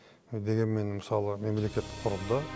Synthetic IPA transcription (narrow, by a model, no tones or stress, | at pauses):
d̪e̞ɡʲe̞nme̞nməsɑlˠəme̞mle̞kʲe̞t̪ːɪ̥qqʰʊɾəlˠd̪ɑ